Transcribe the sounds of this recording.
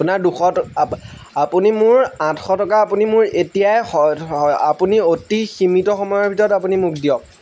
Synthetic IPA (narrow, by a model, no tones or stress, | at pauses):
punaɹduxɔt | apunimʊɹãtʰxɔtɔkaːpunimʊɹetijajɔa̰puniotiximitɔxɔmɔjɔɹbʱitɔɹɔtap̬unimuk̚ʰdijɔk̚